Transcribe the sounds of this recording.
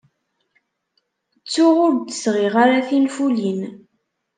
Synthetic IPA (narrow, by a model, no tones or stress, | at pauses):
t͡sːʊʁʊɾd̪ə̥sʁiʁaɾaθinfulin